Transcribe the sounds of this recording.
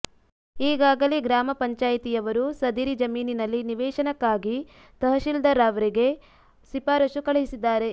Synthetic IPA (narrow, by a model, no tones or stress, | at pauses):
iːɡaːɡɐleɡɾaːmɐpɐɲt͡ʃaːjɐt̪ijɐʋɐɾusɐd̪iɾid͡ʒɐmiːninɐlːiniʋɛːʃɐnɐkːaːɡi | t̪ɐɦɐʃild̪ɐɾaːʋɐɾiɡe̞ | sipaːɾɐʃukɐɭɐɦisid̪ːaːɾe̞